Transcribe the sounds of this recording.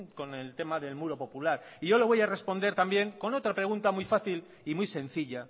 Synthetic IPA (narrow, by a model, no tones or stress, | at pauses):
ŋko̞ne̞lt̪e̞maðe̞lmuɾo̞po̞pulaɾiʝole̞β̞o̞jare̞spo̞nd̪e̞ɾt̪ambje̞ŋko̞no̞t̪ɾapɾe̞ɣ̞unt̪amujfaθil | imujse̞n̟θiʎa